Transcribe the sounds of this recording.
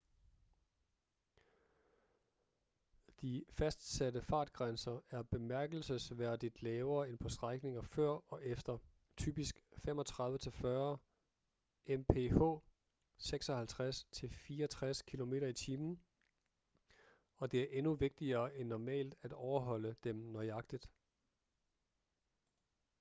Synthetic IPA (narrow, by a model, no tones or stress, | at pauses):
d̥ifæsd̥sædəfɑ̈ːd̥ɡ̥ʁansɐæɐb̥e̝mæɐɡ̥l̩səsʋæɐ̰d̥id̥lɛːʊɐːenpʰɒ̽sd̥ʁaɡ̥ne̝ŋɐfɶɐ̰ɒ̽ʔefd̥ɐ | t͡sʰy̰ːb̥isɡ̥fem̰ɒ̽t͡sʰʁɑ̈ðˠʋət͡sʰe̝lfɶɐ | ʔempʰeho̰ː | seɡ̥sɒ̽hælt͡sʰʁast͡sʰe̝lfiːɐt͡sʰʁaskʰilo̝me̝̰ːɾɐit͡sʰiːmn̩ | ɒ̽d̥e̝æɐʔe̝nuʋe̝ɡ̥̚d̥iɐːʔenːɒmɛ̰ːld̥æd̥ɒʊɐɦɒ̽l̰əd̥emnɒɪɑ̈ɡ̥̚d̥id̥